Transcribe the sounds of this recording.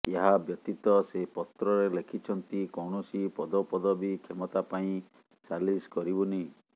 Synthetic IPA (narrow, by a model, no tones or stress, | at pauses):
eɦabjɔt̪it̪ɔsepɔt̪ɾɔɾelekʰit͡ʃʰɔnt̪ikɔwɳ̃ɔsipɔd̪ɔpɔd̪ɔbikʰemɔt̪apaĩ | saliskɔɾibuni